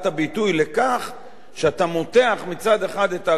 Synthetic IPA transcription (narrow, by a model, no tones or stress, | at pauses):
tabitujlekaχ | ʃeat̪amo̞t̪e̞aχmit͡sad̪e̞χad̪eta